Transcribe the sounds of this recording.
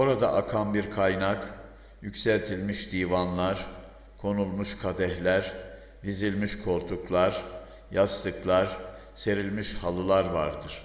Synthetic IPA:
oɾad̪a̰ʔakʰanbiɾkʰajnak | jycʲsælʲt̪ʰilʲmiʃd̪ijvanlˠaɾ | kʰo̞nulˠmuʃkʰad̪ɛhlʲæɾ | vizilʲmiʃkʰo̞ɾt̪ʰuklˠaɾ | jast̪ɯklˠaɾ | se̞ɾilʲmiʃhalˠɯlˠaɾvaɾd̪ɯɾ̥

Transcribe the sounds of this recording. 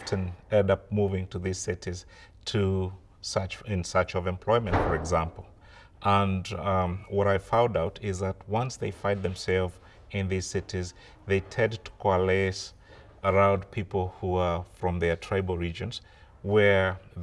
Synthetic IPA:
tʰɨ̃nɛ̃dʌp̚muvɪ̃ŋtʰɨðiz̥sɪɾiz̥ | tʰɨ | sʌt͡ʃɪ̃nsʌt͡ʃʌvɨ̃mpʰl̥ɔɪmɨ̃ntfə˞ɨɡzæ̃mpl̩ˠ | ʔə̃n | wʌɾaɪfãʊ̃ndaʊɾɪzðət̚wʌ̃nsðeɪfãɪ̃nðɨ̃msɛlˠvz | ɪ̃nðiz̥sɪɾiz | ðeɪtʰɛ̃dtʰkʰalɛs | ə˞ãʊ̃ndpʰipl̩ˠhuəfɹʌ̃mðə˞tʰɹ̥eɪbl̩ˠɹid͡ʒɨ̃nz̥ | wə˞

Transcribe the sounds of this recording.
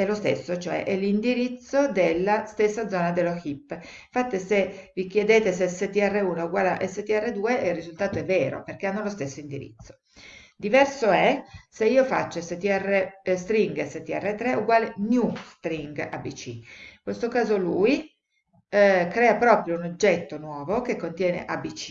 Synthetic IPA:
ɛlːost̪ḛsːot͡ʃoɛ̰ʔɛlːind̪iɾit̪sːod̪elːast̪esːad̪zɔːnad̪elːoxipːiɱfat̪ːisevik̟jed̪eːt̪eseset̪iɛrːeuːnouɡwaːleʔɛsːet̪iɛrːed̪uːeʔirːizult̪aːt̪oɛvːeːɾo̰perk̟eanːolost̪esːoind̪iɾḭt̪sːo̥ | d̪ivɛrsoɛseiːofat͡ʃːoɛsːet̪iɛrest̪ɾiŋɡesːet̪ːiɛ̰rːet̪ːɾeʔuɡwaːlenjust̪ɾiŋɡa̰bit͡ʃḭiŋkwest̪okaːzoluːi | kɾɛːapɾɔːpɾjounod͡ʒːɛt̪ːonwɔːvokekːont̪jɛːnḛʔabit͡ʃi̥

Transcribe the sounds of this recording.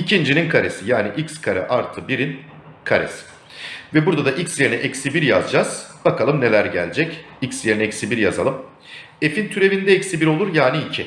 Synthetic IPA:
icʰind͡ʒininkʰaɾe̞sijaːniʔicskʰaɾɛ̰ʔaɾt̪ʰɯbiɾin | kʰaɾḛsi̥ | vɛbuɾd̪ad̪aʔicsje̞ɾinɛʔɛcsibiɾja̰zd͡ʒaz̥b̥akʰalˠɯmne̞lʲæɾɟæ̰lʲd͡ʒɛc | icsje̞ɾinɛɛcsibiɾjaza̰lˠɯm | efint̪ʰyɾe̞vind̪ɛɛcsibiɾo̞lˠuɾjaːniicʰi

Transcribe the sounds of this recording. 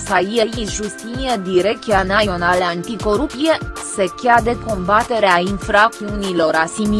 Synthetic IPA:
saiejinʒust̪inied̪iɾek̚t̪ianaio̞naleant̪iko̞ɾupt̪ijesekʲad̪eko̞mbat̪e̞ɾeainfɾak̚t̪iunilo̞ɾasimi

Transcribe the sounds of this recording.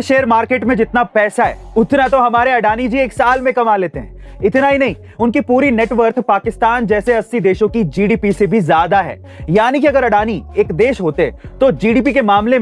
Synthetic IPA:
ʃeːəɾmaːɾkeːʈmẽd͡ʒɪt̪napɛːsaɦɛ̰ːʊt̪nat̪oɦɐmaːɾeɐɖaːnid͡ʒieːksaːlmẽkɐmaːleːt̪eɦɛ̰̃ː | ɪt̪naɦinɐɦĩ | ʊnkipuːɾineːʈʋəɾt̪ʰpaːkɪst̪aːnd͡ʒɛːseɐsːid̪eːʃõkid͡ʒiːɖiːpisebʱizjaːd̪aɦɛ̰ː | jaːnikiɐɡəɾɐɖaːnieːkd̪eːʃɦoːt̪eɛ̰t̪od͡ʒiːɖiːp̬ikemaːmle

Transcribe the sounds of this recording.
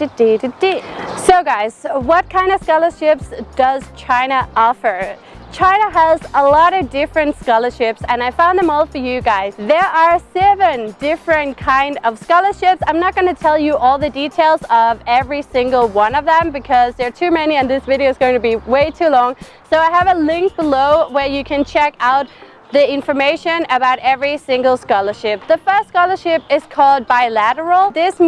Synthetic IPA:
tɨdidɨd̥isoʊɡaɪz̥wʌt̚kʰãɪ̃ndʌv̥skɑlˠə˞ʃɪpsd̥ʌz̥t͡ʃʰãɪ̃nəʔɔfə˞ | t͡ʃʰãɪ̃nəəzəlɔɾʌvdɪfɹɨ̃ntskɑlˠə˞ʃɪpsɨ̃naɪfãʊ̃nðə̃mɔlˠfə˞jɨɡaɪzðə˞ʔə˞sɛvɨ̃ndɪfɹɨ̃nkʰãɪ̃ndʌv̥skɑlˠə˞ʃɪpsãɪ̃mnət̚ɡ̥ʌnɨtʰɛlˠjɨʔɔlˠðɨditʰeɪlˠzʌvɛvɹisɪ̃ŋɡl̩ˠwʌ̃nʌvðə̃mbɨkʰʌzðə˞tʰʉmɛniɨ̃nðɪsvɪɾioʊzɡoʊɪ̃ŋtʰɨbiweɪtʰʉlɔ̃ŋ | soʊaɪəvəlɪ̃ŋk̚b̥əloʊwə˞jɨkʰɨ̃nt͡ʃʰɛkaʊt̪̚ | ðiɪ̃ɱfə˞meɪʃɨ̃nɨbaʊɾɛvɹisɪ̃ŋɡl̩ˠskɑlˠə˞ʃɪp̚ðɨfɜ˞stskɑlˠə˞ʃɪpɪz̥kʰɔlˠd̚baɪlæɾə˞l̩ˠðɪs

